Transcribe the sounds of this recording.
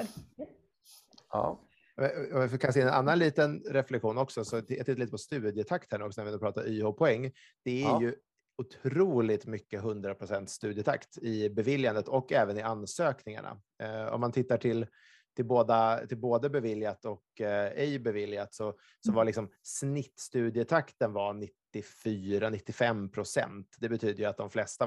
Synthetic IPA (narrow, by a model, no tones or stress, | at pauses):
mɛmɪfɔkʰans̬ɪnːɛna̰nːanliːt̪ənɾɛflɛkɧuːnɔksɔsɔj̰t̪ɪt̪ːliːt̪əpʰɔst̪ʉ̟ːd̪jət̪ʰakt̪hæɾɳɔksɔnɛɾvɪɛnːɾpɾɑːt̪aɾyːhopʰɔɛŋː | d̪̥ɛæjɵ | ʊt̪ʰɾuːlɪt̪mʏkːəɦɵnd̪ɾapʰɾʊsɛnt̪st̪ʉ̟ːd̪jət̪ʰa̰kt̪ɪbɛvɪljand̪ət̪ʰɔkːɛːvənɪansøːknɪŋa̰ɳa̰ | ɔ̰mːant̪ʰɪt̪ːaʈʰɪl | t̪ʰɪlboːd̪at̪ʰɪlboːd̪əbɛvɪljat̪ɔkɛjbɛvɪljat̪sɔ | sɔmvaɾlɪksɔmsnɪt̪ːst̪ʉ̟ːd̪jət̪ʰakt̪ənvanɪt̪ːɪfyːɾanɪt̪ːɪfɛmpʰɾʊsɛ̰nt̪d̪ɛbɛt̪ʰyːd̪əjɵat̪̚d̪ɔmflɛst̪a